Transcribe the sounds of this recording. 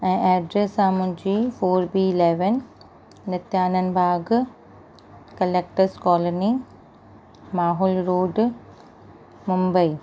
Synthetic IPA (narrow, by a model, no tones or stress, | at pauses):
ɛ̃ːʔɛːɖɾesãmʊ̃ɦɪ̃ɲd͡ʑiːfoːɾbiːleːʋən | nɪt̪jaːnən̆bʱaːɡ | kɐleːk̚ʈəɾskɔːloni | maːɦʊlɾoːɖ | mʊ̃mbəi